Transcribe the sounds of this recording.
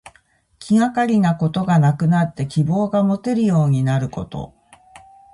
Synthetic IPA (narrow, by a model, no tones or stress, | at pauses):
kʲiŋakaɾʲinako̞t̪o̞ɡanakɯ̟nat̪ːe̞kʲibo̞ːɡamo̞t̪e̞ɾɯ̟jo̞ːɲ̟inaɾɯ̟ko̞t̪o̞̰